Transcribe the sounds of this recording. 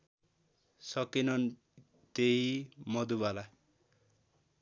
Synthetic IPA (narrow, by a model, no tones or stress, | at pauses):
sʌkinʌn | t̪eimʌd̪ubala